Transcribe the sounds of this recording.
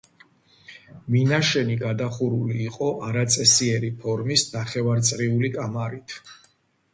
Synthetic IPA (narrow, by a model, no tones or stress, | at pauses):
minaʃɛniɡad̪aχuɾuliːqʼɔʔaɾat̪sʼɛsiɛɾipʰɔɾmisnaχɛvaɾt̪sʼɾiulikʼamaɾit̪ʰ